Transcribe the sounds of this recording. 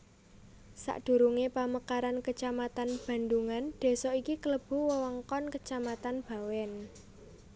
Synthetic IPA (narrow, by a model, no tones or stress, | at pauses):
sa̰ʔd̪̥ṳɾuŋepaməkaɾankət͡ʃamat̪anb̥a̤nd̪uŋand̪̥e̤sɔikikələb̥ṳwəwɔŋkɔnkət͡ʃamat̪anb̥ä̤wɛn